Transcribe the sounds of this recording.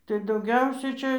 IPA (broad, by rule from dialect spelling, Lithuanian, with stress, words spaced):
tɐɪ dɐʊˈɡʲɛʊsʲɛ ˈt͡ʃʲɛ